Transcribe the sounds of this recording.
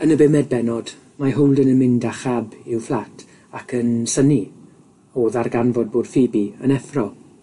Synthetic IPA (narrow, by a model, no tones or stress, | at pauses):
ənəbɪmɛd̚bɛnɔd̥ | maɦʊwlˠdənənmɪndaχabɪwflˠatʰ | akʰənsəni | oːðarɡanvɔd̚boːd̥fibiə̰nɛfrɔ